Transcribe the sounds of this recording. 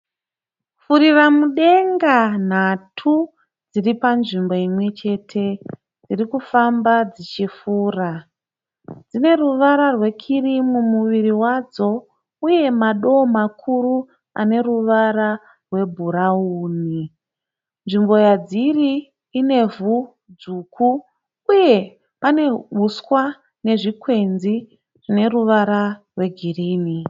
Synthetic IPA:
fuɾiramuɗe̞ŋɡan̤atʰu | d͡ziripanʐimbo̞imwe̞t͡ʃe̞tʰe̞ | d͡zirikufambad͡zit͡ʃifuːra | d͡zine̞ruʋaɾarwe̞kʰirimumuʋiɾiwad͡zo̞ | uje̞maɗo̞makʰuɾu | a̰ne̞ɾuʋaɾa | rwe̞bʱuɾauːni | nʐimbo̞jad͡ziriː | ne̞vu | d͡zuːkʰuː | je̞ | pane̞ɓuswa | ne̞ʐikwe̞nd͡zzi | rine̞ruʋaɾarwe̞ɡʱiriːni

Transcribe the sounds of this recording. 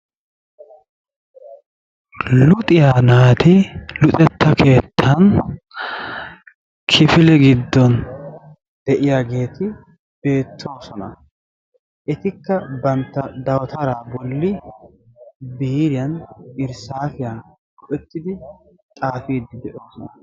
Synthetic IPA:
lʊt̪ʼɪjaːnaːt̪ɪlʊt̪ʼɛt̪ːɐkʰe̞ːt̪ʰːɐn | kʰɪfɪlɛɡɪd̪ːɔn | d̪̥ɛʔɪjaːɡe̞ːt̪ɪ | b̥e̞ːt̪ʰːo̞ːsɔnɐ̰ | ʔɛt̪ɪkːɐbɐnt̪ːɐd̪ɐwɐt̪ʰɐɾaːbɔlːɪ | biːɾɪjɐnɪɾsaːfɪjɐn | ɡɔʔɛt̪ːɪd̪ɪ | t̪ʼaːfiːd̪ːɪd̪ɛʔoːsɔnɐ

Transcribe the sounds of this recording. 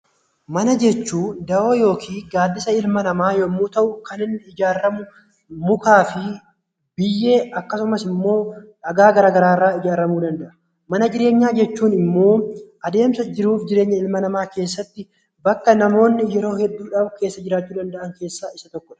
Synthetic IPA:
mɐnɐd͡ʒɛt͡ʃːuːd̪ɐʔo̞ːjo̞ːkʰiːɡaːd̪ːɪsɐɪlmɐnɐmaːjɔmːuːt̪ɐʔʊkɐnɪnːɪɪd͡ʒaːrːɐmʊ | mʊkaːfɪ | bɪjːe̞ːɐkːɐsʊmɐsɪmːo̞ːᶑɐɡaːɡɐɾaːɡɐɾaːɪrːaːɪd͡ʒaːɾɐmuːd̪ɐnd̪ɐʔɐ̥ | mɐnɐd͡ʒɪɾe̞ːɲːaːd͡ʒɛt͡ʃːuːnɪmːo̞ːʔɐd̪e̞ːmsɐd͡ʒɪɾuːfd͡ʒɪɾe̞ːɲːɐɪlmɐnɐmaːke̞ːsːɐt̪ːɪ | bɐkːɐnɐmo̞ːnːɪjɛɾo̞ːhɛd̪ːuːᶑɐbke̞ːsːɐd͡ʒɪɾaːt͡ʃːuːd̪ɐnd̪ɐʔɐŋke̞ːsːaːɪsɐt̪ɔkːɔᶑɐ̥

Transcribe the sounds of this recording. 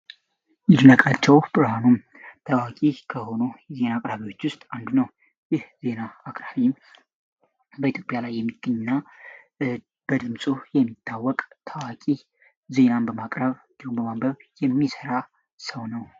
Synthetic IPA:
ɨd̪ɨnəkʼat͡ʃːɛwbɨɾhanum | t̪ʰawakʼikʰəho̞nujɛze̞naːkʼɾaβiwo̞t͡ʃːwʊst̪ʼand̪unəw | jɪhze̞naːkʼɾaβi | bəit̪ʰjo̞pʼjalajːɛmːiɡ̥əɲna | b̥əd̪ɨmsʼujɛmːit̪ʰːawːɔkʼt̪ʰawakʼi | ze̞nanbəmakʼɾəβ | d̪iumbəmambəβjɛmːisəɾa | səwnəw

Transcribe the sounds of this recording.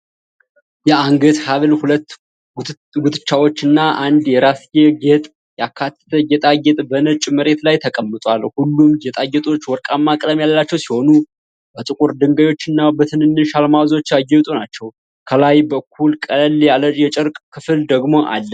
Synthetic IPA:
jɛaŋɡət̪haβlhulət̪ː | ɡut̪ɨt͡ʃːawo̞t͡ʃːɨnːaʔand̪jɛɾasjɛɡet̪ʼ | jakʰːat̪ːə̥t̪ʰəjɛt̪ʼaɡɛt̪ʼbənət͡ʃʼməɾe̞t̪lajt̪ʰəkʼəmːɨt̪ʼwalhulːumjɛt̪ʼajːɛt̪ʼo̞t͡ʃːwɔɾkʼamːakʼləmjalːat͡ʃːɛwsiho̞nu | bət̪ʼɨkʼuɾd̪ɨŋɡəjo̞t͡ʃːɨnːabət̪ʰɨnɨnːɨʃalmawzo̞t͡ʃːaɡɛt̪ʼonat͡ʃːɛw | kʰəlajbəkʰːulkʼəljaləjɛt͡ʃʼəɾkʼkʰɨfɨld̪əɡmo̞ʔa̰lːə

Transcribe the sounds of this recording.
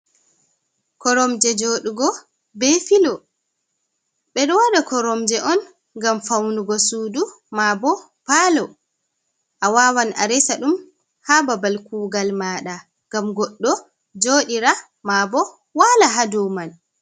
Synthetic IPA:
kɔɾɔmd͡ʒɛd͡ʒoːɗuɡɔ | bɛfilɔ | ɓɛɗɔwaɗakɔɾɔmd͡ʒɛʔɔn | ŋɡamfawnuɡɔsuːdu | mabɔ | palɔ | ʔawawanʔa̰ɾɛsaɗum | hababalkuːɡalmaːɗa | ɡamɡɔɗːɔ | d͡ʒoːɗiɾa | mabɔ | walaɦadɔman

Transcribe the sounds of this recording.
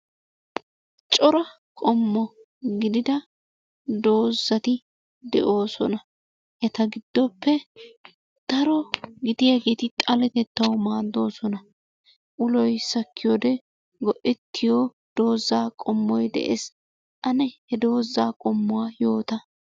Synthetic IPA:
t͡ʃt͡ʃʼɔɾɐ | kʼɔmːɔ | ɡɪd̪ɪd̪ɐ | d̪o̞ːzːɐt̪ɪ | d̪ɛʔo̞ːsɔnɐ | jɐt̪ɐɡɪd̪̥ːɔpːɛ | d̪̥ɐɾɔɡɪd̪ɪjɐɡeːt̪ɪt̪ʼɐlɛt̪ɛt̪ːɐwʊmaːd̪ːo̞ːsɔnɐ | ʔʊlɔjsɐkʰːɪjod̪ɛ | ɡɔʔɛt̪ːɪjoː | d̪̥o̞ːzːaːkʼɔmːɔjd̪ɛ̰ʔḛːs | ʔɐnɛhɛd̪o̞ːzːaːkʼɔmːʊwaːjo̞ːt̪ɐ

